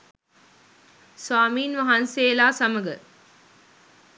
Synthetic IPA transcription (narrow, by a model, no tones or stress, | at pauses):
swaːmiːnʋaɦanseːlaːsaməɡə